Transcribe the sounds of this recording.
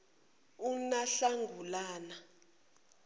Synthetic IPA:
unaɬaŋɡʱulaːna

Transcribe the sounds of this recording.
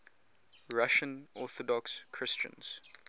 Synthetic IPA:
ɹaʃə̃nɔθɔdɔkskʰɹɪst͡ʃə̰̃nz̥

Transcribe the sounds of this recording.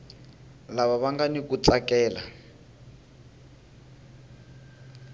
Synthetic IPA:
laβaβaŋɡanikut͡sakɛːla

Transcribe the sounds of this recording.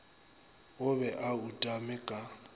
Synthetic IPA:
ʊβɛʔautʼamɪkʼa

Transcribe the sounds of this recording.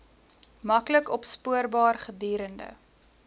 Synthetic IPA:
mɐkləkɔpspuərbɑːrχədiːɾəndə̰

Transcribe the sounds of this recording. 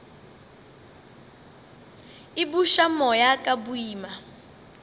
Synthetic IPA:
ibuʃamɔjakʼabuiːma

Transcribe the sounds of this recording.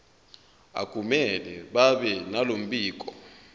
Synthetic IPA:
a̰ɡʱumɛlɛɓaɓɛnalom̩ɓiːk̬ʼɔ

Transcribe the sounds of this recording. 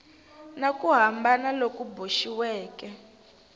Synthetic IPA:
nakʼuɦambanalokuboʃiwɛːkɛ

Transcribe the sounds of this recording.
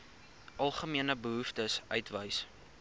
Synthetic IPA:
ʔɐlˠχəmiənəbəɦuftəsʔœɥtvəjs

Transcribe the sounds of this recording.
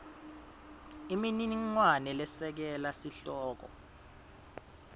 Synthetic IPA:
iminiŋwanɛlɛsɛk̬ɛlasiɬɔːk̬ɔ̰

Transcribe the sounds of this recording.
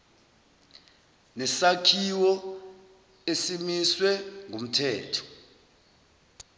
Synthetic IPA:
nɛsakʰiwɔ | esimiswɛŋɡʱom̩tʰɛːtʰɔ̥

